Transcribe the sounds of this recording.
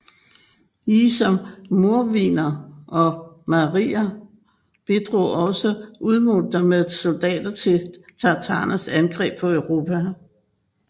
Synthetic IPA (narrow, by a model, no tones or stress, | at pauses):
isɒ̽mmo̝ɐʋḭːnɐɒ̽mɑʁiːɐ | b̥e̝d̥ʁo̰ːɒ̽səʔuðˠmold̥ɐmeðˠso̝ld̥ɛ̰ːd̥ɐt͡sʰe̝t͡sʰɑ̈t͡sʰɑ̈ːnæsænɡ̥ʁɛ̰ːb̥̚pʰɒ̽øʊʁo̝ːpʰæ